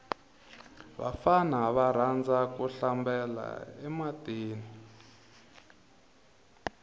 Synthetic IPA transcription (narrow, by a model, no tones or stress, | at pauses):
βa̰fanaβaɾ̤and͡zakuɬambɛla̰ɛmateːni